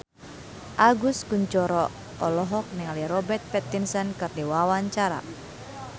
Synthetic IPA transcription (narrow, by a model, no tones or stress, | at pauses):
ʔaɡuskuɲt͡ʃɔɾɔ | ɔlɔɦɔk̚nɛŋaliɾɔbɛt̪̚pɛt̪insɔnkɨrdiwawaɲt͡ʃaɾa̰